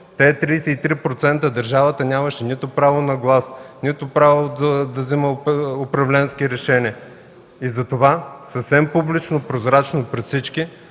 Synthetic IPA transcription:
t̪ɛːt̪ɾijsɛit̪ɾipɾot̪sɛnt̪əd̪ɐɾʒavət̪ənʲamɐʃɛnit̪ʊpɾavonɐɡlˠasnit̪ʊpɾavod̪ɐd̪ɐziməopɾɐvlɛnskiɾɛʃɛniə | izɐt̪ovasəfsɛmpublit͡ʃnopɾozɾat͡ʃnopɾɛt̪fsit͡ʃki

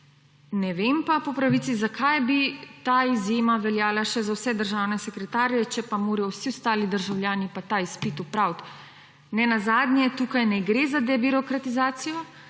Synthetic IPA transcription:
nɛʋempapɔpɾaʋit̪sizakʰajbit̪aːizjeːmaʋɛljaːlaʃɛzawsɛd̪əɾʒaːwnɛsɛkɾɛt̪aːɾijɛt͡ʃɛpamoːɾɛjɔwsiɔst̪aːlid̪əɾʒawljaːnipat̪aispit̪upɾawt̪ | nɛnazaːd̪njɛt̪ukajnɛɡɾezad̪ɛbiɾɔkɾat̪izaːt̪sijɔ

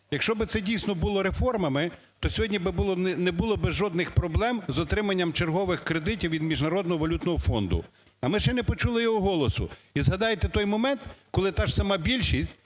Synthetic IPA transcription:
jɐkʃt͡ʃɔbɪt̪sɛdʲijsʲnɔbʊlˠɔɾefɔrmɐmɪ | t̪ɔsʲɔɦɔdʲnʲibɪbʊlˠɔnɛbʊlˠɔbɪzʒɔd̪nɪxpɾɔblˠɛmzɔt̪ɾɪmɐnʲːɐmt͡ʃerɦɔʋɪxkɾed̪ɪtʲiwʋʲid̪mʲiʒnɐɾɔd̪nɔɦɔʋɐlʲut̪nɔɦɔfɔnd̪ʊ̰ | ɐmɪʃt͡ʃɛnɛpɔt͡ʃulˠɪjɔɦɔɦɔlˠɔsʊ̰izɦɐd̪ɑjet̪ɛt̪ɔjmɔmɛnt̪kɔlˠɪt̪ɑʃsɐmɑbʲilʲʃisʲtʲ

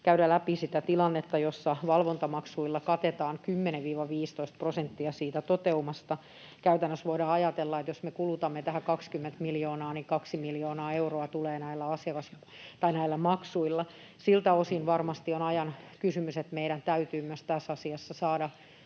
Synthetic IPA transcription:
kæyɾælæpisit̪æt̪ilɑnːet̪ːɑjosːɑʋɑlʋont̪ɑmɑksuilːɑkɑt̪et̪ɑːŋkymːeneʋʋiːʋɑʋiːst̪oist̪prosent̪ːiɑsiːt̪æt̪ot̪eumɑst̪ɑ | kæyt̪ænːøsʋoiɾɑːɑjɑt̪elːɑet̪josmekulut̪ɑmːet̪æhækɑkskymːent̪miljoːnɑːnikɑksimiljoːnɑːeuroɑt̪uleːnæilːæɑsiɑkɑs | t̪ɑinæilːæmɑksuilːɑ | silt̪æosinʋɑrmɑst̪ionɑjɑnkysymyset̪meiɾænt̪æyt̪yːmyøst̪æsɑsiɑsːɑsɑːdɑ

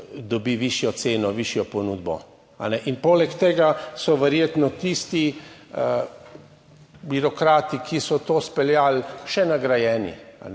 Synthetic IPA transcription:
d̪ɔbiʋiʃjɔt̪seːnɔʋiʃjɔpɔnuːd̪bɔ̰ | a̰nɛʔinpoːlɛkt̪eːɡasɔʋɛɾjeːt̪nɔt̪ist̪i | biɾɔkɾaːt̪ikʰisɔt̪oːspɛljalʃɛnaɡɾajɛːnḭa̰nɛ

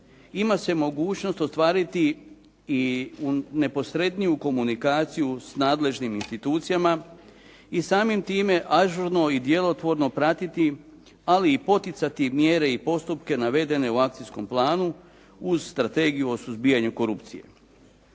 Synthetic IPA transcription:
imase̞mo̞ɡuːt͡ʃno̞st̪o̞st̪ʋaːɾit̪iː | une̞po̞sɾe̞d̪nijuko̞munikaːt̪sijusnaːd̪le̞ʒniminst̪it̪uːt̪sijama | isaːmimt̪iːme̞ʔaʒuɾno̞id̪je̞lo̞t̪ʋo̞ɾno̞pɾat̪it̪i | aliːpo̞t̪it̪sat̪imje̞ːɾe̞ipo̞st̪upke̞naʋe̞d̪e̞ne̞uak̚t̪isko̞mplˠaːnu | uzst̪ɾat̪e̞ːɡijuo̞suzbiːaɲuko̞ɾupt̪sḭje̞

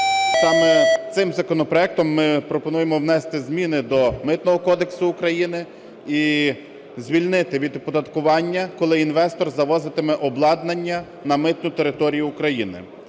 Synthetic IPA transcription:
sɑmɛt̪sɪmzɐkɔnɔpɾɔɛk̚t̪ɔmːɪpɾɔpɔnujemɔwnɛst̪ɪzmʲinɪd̪ɔmɪt̪nɔɦɔkɔd̪eksʊːkɾɐjinɪ | i | zʲʋʲilʲnɪt̪ɪʋʲid̪pɔd̪ɐt̪kʊʋɑnʲːɐkɔlˠɪinʋɛst̪ɔrzɐʋɔzɪt̪ɪmɛʔɔblˠɑd̪nɐnʲːɐ | nɐmɪt̪nʊt̪eɾɪt̪ɔɾʲijʊːkɾɐjinɪ̰

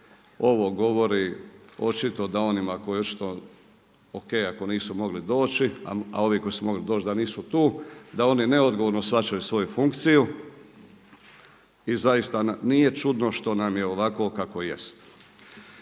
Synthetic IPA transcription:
o̞ʋo̞ɡo̞ʋo̞ɾio̞t͡ʃit̪o̞d̪ao̞nimako̞jo̞t͡ʃi̥t̪o | okejako̞niːsumo̞ɡlid̪o̞ːt͡ʃia̰a̰o̞ʋiːko̞jisumo̞ɡlid̪oːt͡ʃd̪aniːsut̪uːd̪ao̞nine̞od̪ɡoʋo̞ɾno̞sʋat͡ʃajusʋo̞jufuŋkt̪siju | izajist̪anije̞t͡ʃud̪no̞ʃt̪onamje̞oʋako̞kako̞je̞̰st̪

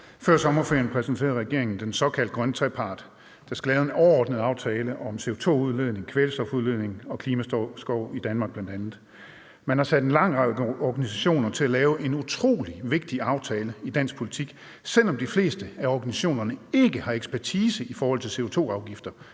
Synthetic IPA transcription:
fɶɐ̰sɒ̽mɐfḛɐnpʰʁɛsn̩t͡sʰe̝̰ɐʁɛɡ̥e̝ɐe̝ŋn̩d̥ensɒ̽kʰæl̰d̥̚ɡʁɶnət͡sʰʁɛpʰɑ̈ːd̥ | d̥æsɡ̥əlɛːʊðˠenɒʊɐɒːd̥̚nəð̞̩ˠɑ̈ʊt͡sʰɛːləʔɒ̽mse̝ːo̝t͡sʰo̝̰ːuðˠleð̰ˠne̝ŋkʰʋeləsd̥ɒ̽fuðˠle̝ð̰ˠne̝ŋɒ̽kʰliːmæsɡ̥ɒʊid̥ænmɑ̈ːɡ̥̚b̥lænd̥ænð̩ˠ | mænhɑ̈sæd̥enlɑ̈ŋ̰ʁɑɪ̰ɒɡ̥ænisæɕo̝̰ːnɐt͡sʰe̝lælɛːʊʔe̝nut͡sʰʁo̝̰ːliʋe̝ɡ̥̚d̥iɑ̈ʊt͡sʰɛːləid̥æn̰sɡ̥̚pʰo̝lit͡sʰiɡ̥ | sel̰ɒ̽md̥ifle̝̰ːsd̥əæɒɡ̥ænisæɕo̝̰ːnɐnəe̝ɡ̥əhɑ̈eɡ̥spʰæɐt͡sʰiːsəifɒːhɒ̽l̰t͡sʰe̝lse̝ːo̝t͡sʰo̝̰ːɑ̈ʊɡ̥ifd̥ɐ

